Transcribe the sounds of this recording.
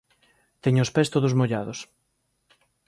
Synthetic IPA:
t̪ɛɲʊʊspɛst̪oðʊzmoʎaðʊs

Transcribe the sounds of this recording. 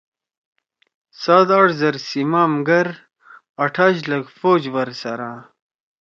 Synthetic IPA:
sad̪aɽzɐɾsimaːmɡɐɾ | aʈʰaʑləɡfoːd͡ʑwəɾsɐɾa

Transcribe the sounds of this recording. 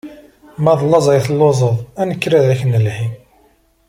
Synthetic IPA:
mæðˤlːɑzˤæjθlːozˤəðˤænəkːɾæðæçnəlħi

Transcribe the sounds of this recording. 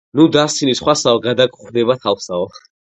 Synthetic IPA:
nud̪asʰilisχwasavɛɡad̪akʰʼuχd̪ɛbat̪ʰavsavaχ

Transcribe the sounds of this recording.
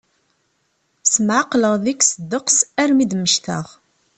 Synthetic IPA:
səmʕaqːləʁðiksəd̪ːəqsæɾmid̪məʃθə̰ʁ

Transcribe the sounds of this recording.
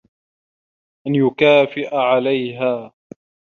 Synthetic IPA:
ʔanjʊkaːfɪʔaʕalajɦaː

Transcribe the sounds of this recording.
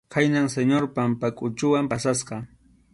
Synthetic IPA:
kʰajnaŋseɲoɾpampakʼʊt͡ʃʊwampasasqɑ

